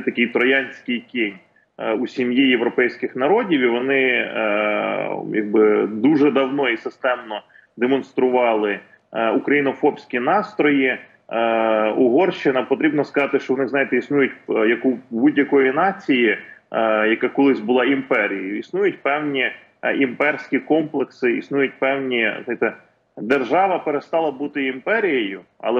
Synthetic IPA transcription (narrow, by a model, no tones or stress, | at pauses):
t̪ɐkɪjt̪ɾɔjɑnʲsʲkɪjkʲenʲ | usʲimjijeʋɾɔpɛjsʲkɪxnɐɾɔdʲiwiʋɔnɪ | jɐ̰ɡ̚bɪd̪uʒɛd̪ɐwnɔisɪst̪ɛmnɔ | d̪emɔnst̪ɾʊʋɑlˠɪ | ukɾɐjinɔfɔbsʲkʲinɑst̪ɾɔji | uɦɔrʃt͡ʃɪnɐpɔt̪ɾʲibnɔskɐzɑt̪ɪʃt͡ʃɔwnɪxzɑjt̪ɛisnujʊtʲjɐkubudʲjɐkɔjinɑt͡sʲiji | jɐkakɔlˠɪzʲbʊlˠɑimpɛɾʲijɐjʊisnujʊtʲpɛwnʲi | impɛrsʲkʲikɔmplˠeksɪisnujʊt̚ʲpɛwnʲiznɑajt̪ɛ | d̪erʒɑʋɐpeɾest̪ɑlˠɐbut̪ɪimpɛɾʲijɐjʊɐ̰lˠɛ